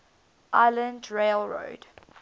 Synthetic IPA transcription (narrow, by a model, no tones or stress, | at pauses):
ʔaɪlə̃ndɹeɪlɹo̰ːd̥